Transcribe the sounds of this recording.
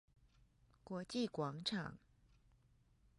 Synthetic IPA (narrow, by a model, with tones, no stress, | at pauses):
kwɔ˧˥t͡ɕi˥˩kwɑ˧˥ŋʈ͡ʂʰɑ˨˩˦ŋ